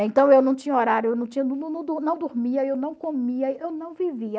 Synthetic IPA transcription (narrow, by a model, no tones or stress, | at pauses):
ẽt̪ɐ̃w̃ewnɐ̃w̃t͡ʃĩɲɐoɾaɾjʊewnɐ̃w̃t͡ʃĩɲɐunũnũd̪unɐ̃w̃d̪uɾmiɐewnɐ̃w̃komiɐewnɐ̃w̃viviɐ